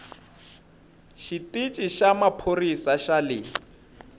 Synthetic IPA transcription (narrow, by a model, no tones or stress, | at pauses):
ʃitʼit͡ʃʼiʃamapʰorisaʃalɪ